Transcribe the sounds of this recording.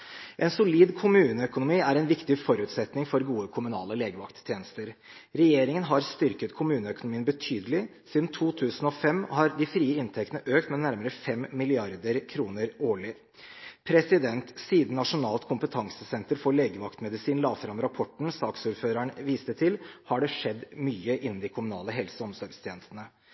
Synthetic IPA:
ʔɛnsʊliːd̪kʰʊmʉːnəœkʊnʊmiːæɾɛnʋɪkt̪ɪfɔɾʉːt̪sɛt̪nɪŋfɔɾɡuːəkʰʊmʉnɑ̰ːləleːɡəʋɑ̰kt̪ʰːjeːnəst̪əɾ | ɾɛjeːɾɪŋənɦɑɾst̪ʏɾkət̪kʰʊmʉːnəœkʊnʊmiːənbət̪ʰyːd̪əlɪsiːd̪n̩t̪ʰuːt̪ʰʉːsn̩ɔfɛmːhɑɾd̪ɪfɾiːəɪnt̪ʰɛkt̪nəʔøːkt̪mɛnæɾməɾəfɛmːɪlɪɑɾd̪əɾkʰɾuːnəɾoːɭɪ | pʰɾɛsɪd̪ɛnt̪siːd̪n̩nɑʂʊnɑːlt̪kʰʊmpət̪ʰɑŋsəsɛnt̪əɾfoːɭeːɡəʋɑkt̪mɛd̪ɪsiːnlɑːʋfɾɑmɾɑpʰɔʈɳ̩sɑːksuːɾføːɾəɳʋiːst̪ət̪ʰɪlhɑɖɛʂɛd̪ːmyːəʔɪnn̩d̪ɪkʰʊmʉnɑ̰ːləɦɛlsəɔmsɔɾɡst̪ʰjeːnəst̪ənə

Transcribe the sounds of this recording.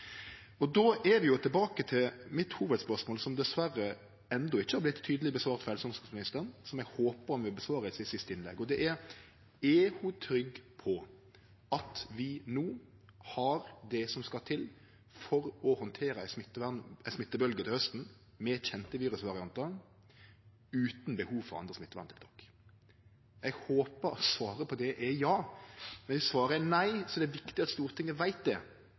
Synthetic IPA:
ɔd̪oːʔɛɾʋɪjʊt̪ʰɛlbɑːkət̪ʰɪlmɪt̪huːʋəd̪spœɾʂmoːlsɔmd̪ɛsʋæɾːə | ɛnd̪ɔɪçːəhɑɾblɪt̪ʰːyːd̪əlɪbəsʋɑːɾt̪fɔɾɛlsɔŋsɑsmɪnɪst̪əɾnsɔmjɛɡhoːpəɾɔmʋɪbəsʋɑːɾəɪsɪsɪst̪əɪnlɛ̰ɡːɔd̪ɛʔæɾ | ɛhʉt̪ʰɾʏɡpʰɔ | ɑt̪ʋɪnuː | hɑɾd̪ɛsɔmskɑt̪ʰɪl | fɔɾɔhɔnt̪ʰeːɾəæɪsmɪt̪ːəʋæʁnɪsmɪt̪ːəbœlɡət̪ɪhœst̪n̩ | mɛçɛnt̪əʋiːɾʉsʋɑɾɪɑnt̪ə | ʉːt̪nbəhuːʋfɔɾʁɑ̰nd̪ɾəsmɪt̪ːəʋæ̰nt̪ʰɪlt̪ʰɔkː | ɛɡhoːpəɾɔsʋɑːɾəpʰɔd̪ɛʔɛjɑːmɛnɛsʋɑːɾənæɪsɔd̪ɛːʋɪkt̪ɪɑt̪st̪uːʁt̪ʰɪŋːəʋæɪt̪̚d̪ɛ

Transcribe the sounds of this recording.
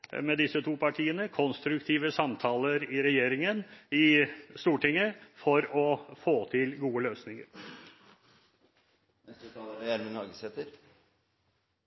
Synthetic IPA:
mɛd̪ɪsət̪ʰuːpʰɑʈʰiːənəkʰɔnst̪ɾʉkt̪ʰiːʋəsɑmt̪ʰɑːləɾɪɾɛjeːɾɪŋənɪst̪uːʈɪŋːəfɔɾɔfoːt̪ʰɪlɡuːəløːsnɪŋə̰ɾ | nɛst̪ət̪ʰɑləɾæɾmɪnɑɾɡəsɛt̪əɾ

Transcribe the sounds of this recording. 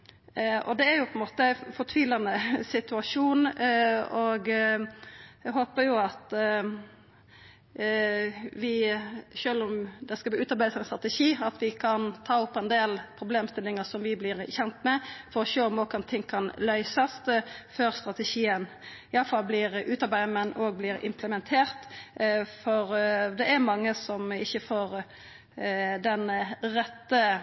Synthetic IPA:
ɔ̰d̪ɛæɾjʊpʰɔɛnmoːt̪əfɔt̪ʰʋiːlɑnəsɪt̪ʉɑʂuːn | ɔɡ | ɛɦoːpəɾjʊɑt̪ | ʋɪʃøːlɔmd̪ɛskɑbʉːt̪ɑɾbæɪd̪əsɛnst̪ɾɑt̪ɛʂiːɑt̪ʰʋɪkʰɑnt̪ʰɑːʊpːɛnd̪eːlpʰɾʊbleːmst̪ɪlːɪŋəsɔmʋɪblɪʁçɛnt̪mɛfɔɾɔʃøːɔmɔkənt̪ʰɪŋkʰɑnlœʏsɑsføːɾst̪ɾɑt̪ɛʃiːən | ɪɑləfɑlblɪɾʔʉːt̪ɑɾbæɪmɛnʔoːɡ̚blɪɾɪ̰mpʰləmɛnt̪ʰeːɾt̪ | fɔɾd̪ɛæɾmɑŋːəsɔmɪçːəfoːɾ | d̪ɛnʁɛt̪ːə

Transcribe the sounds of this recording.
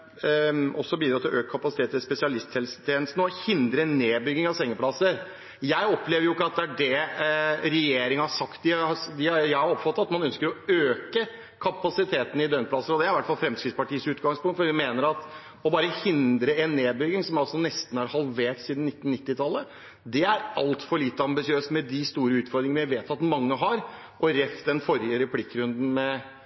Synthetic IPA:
ʔɔsːɔbiːd̪ɾɑt̪ʰɪlɔʔøːkəkʰɑpɑsɪt̪ʰeːt̪ʰːɪlspɛsɪɑlɪst̪ʰɛlst̪ʰjeːnəst̪nəɔhɪnd̪ɾəɛnːeːbʏɡɪŋɑʋsɛŋːəpʰlɑsːəɾ | jæɪɔpʰleːʋəjʊɪkːəɑt̪̚d̪ɛæɖɛ | ɾɛjeːɾɪŋəhɑɾʂɑkt̪̚d̪ɪɑd̪ɪɑjæɪhɑɾɔpfɑt̪ːɑt̪mɑnœnskəɾɔøːkə | kʰɑpɑsɪt̪ʰeːt̪n̩ɪd̪œnplɑsəɾɔd̪ɛæɾɪʋæʈːfɑlfɾɛmskɾɪt̪spɑʈʰiːəsʉːt̪ɡɑŋspʰʊŋkt̪fɔɾʋɪmeːnəɾɑt̪ | ɔbɑːɾəhɪnd̪ɾəɛnːeːbʏɡ̪ɪŋsɔmjɑlsɔnɛst̪n̩hɑɾhɑlʋeːʈsiːd̪n̩ɪt̪ːn̩nːɪt̪ːɪt̪ʰɑlːə | d̪ɛæɾɑlt̪fɔɭiːt̪ːəɑmbɪsɪøːsmɛd̪ɪst̪uːɾəʉːt̪fɔɾd̪ɾɪŋnəjæɪʋeːt̪ʰɑt̪mɑŋːəɦɑɾ | ʔɔɾɛft̪ɛnfɔɾjəɾɛpʰlɪkːɾʉnd̪n̩mɛ

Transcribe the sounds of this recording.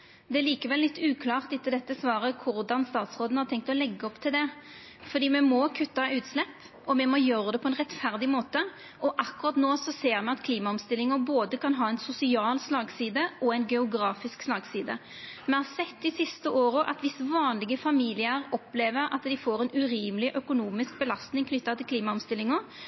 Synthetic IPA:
d̪ɛliːkəʋɛlːɪt̪ːʉːkʰlɑːʁt̪ɪt̪ːəd̪ɛt̪ːəsʋɑːɾəkʰʊɾd̪ɑnst̪ɑːt̪sʁoːd̪nəhɑt̪ʰɛŋk̚t̪ɔlɛɡːəɔpt̪ʰɪld̪ɛ | fɔɾd̪iːmɛmɔkʰʉt̪ːɑʉːt̪slɛpː | ɔmɛmɔjøːʁəd̪ɛpʰɔɛnʁɛt̪fæʁd̪ɪmoːt̪ə | ʔɔʔɑkːʉʁɑt̪noːsɔseːɾmɛɑt̪kʰliːmɑɔmst̪ɪlːɪŋəboːd̪əkɑnɦɑːɛɪnsʊsɪɑːlslɑːɡsiːd̪əɔæɪnɡɛʊɡɾɑːfɪskslɑːɡsiːd̪ə̰ | mɛhɑɾsɛt̪ːɪsɪst̪əʔoːɾəʔɑ̰t̪ʋɪsʋɑːnlɪɡəfɑmiːlɪəɾɔpːleːʋəɾɑ̰t̪d̪ɪfoːɾɛnʉɾiːməlɪʔœkʊnuːmɪsk̚bəlɑst̪nɪŋkʰnʏt̪ːɑt̪ʰɪlkliːmɑɔmst̪ɪlːɪŋɔ

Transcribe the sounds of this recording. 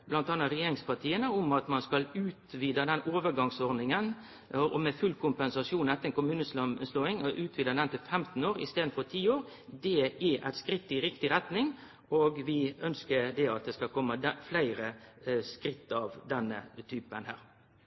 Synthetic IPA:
b̥lɑnt̪ɑnːɑɾɛjeːɾɪŋspɑt̪ʰiːənəʊmɑt̪mɑnskɑlʉːt̪ʋiːd̪əd̪ɛnoːʋəɾɡɑŋsɔɾd̪ɪŋən | ʔɔmɛfʉlːkʰʊmpɛnsɑʂuːnɛt̪əɛnkʊmʉːnəssloːɪŋɔʔʉːt̪ʰʋiːd̪əd̪ɛnt̪ɪlfɛmt̪n̩oːɾɪ̰st̪eːd̪n̩fɔt̪ʰiːoːɾ | d̪ɛæʔæɪt̪skɾɪt̪ːɪɾɪkt̪ɪɾɛt̪nɪŋ | oːɡʋɪœnskəɾd̪ɛɑt̪̚d̪ɛskɑkʰɔmːəd̪flæɪɾəskɾɪt̪ːɑʋd̪ɛnːə̰t̪ʰyːpənhæːɾ

